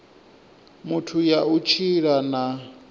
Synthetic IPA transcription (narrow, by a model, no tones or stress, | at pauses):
mutʰujaut͡ʃʰiɺana